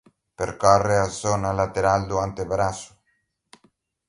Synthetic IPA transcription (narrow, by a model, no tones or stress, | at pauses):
peɾkɔrːeazɔnalat̪eɾald̪uant̪ebɾasu̥